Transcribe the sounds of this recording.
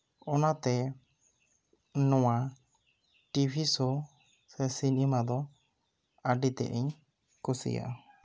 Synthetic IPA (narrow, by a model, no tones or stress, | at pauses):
ɔnat̪ɛ | nɔwa | ʈibʰʱisɔ | sɛsinimad̪ɔ | aɖit̪ɛ̰ʔɛɲ | kusḭja̰